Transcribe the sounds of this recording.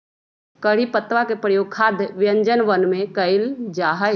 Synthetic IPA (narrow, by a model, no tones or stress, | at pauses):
kəɽ̤ipət̪ʋakepɾəjoːɡ̚kʰaːd̪ʱʋjə̃ɲd͡ʒənʋənmẽkəɪld͡ʒaːɦə